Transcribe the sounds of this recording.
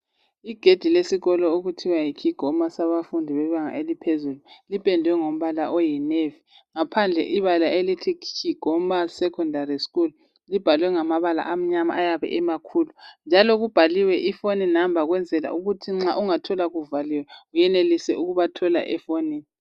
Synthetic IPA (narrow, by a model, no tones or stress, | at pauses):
iɡ̥ʱed̥ʱilesiɣɔlɔuɣutʰiwajikʰiɡ̥ʱɔmasaβafundʱiβɛβaŋa̰elipʰezululipʼɛndʱwɛŋom̩βalaʔojinevi | ŋapʰand͡ɮʱɛ̰ʔiβalaʔelitʰikʰt͡ʃʰiɡ̥ʱɔm̩βasɛkʰɔndʱariskul | lib̥ʱalwɛŋamaβala̰ʔam̩ɲama̰ajaβɛ̰ʔɛmakʰulund͡ʒʱalɔɣub̥ʱaliwɛʔifoninambʱaɣwɛnd͡zʱɛla̰ʔuɣutʰiŋ͡ǁaʔuŋatʰɔlaɣuvaliwɛɣujɛnelisɛʔuɣuβatʰɔla̰ʔɛfoni